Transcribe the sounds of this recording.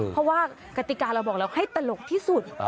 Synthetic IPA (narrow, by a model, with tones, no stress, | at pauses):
ɔ˧˥waː˥˩ | ka˧˩t̪i˨˩kaː˧nla˧wbɔː˨˩k̚lɛ˧wha˥˩jt̪a˧lo˨˩k̚t̪ʰiː˥˩su˨˩t̪̚